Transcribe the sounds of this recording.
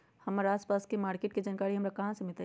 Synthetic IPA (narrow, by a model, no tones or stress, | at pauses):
hɐmaːɾaːspaːskemaːɾkeːʈ̚kid͡ʒaːnkaːɾiɦɐmɾakɐɦãsemɪt̪a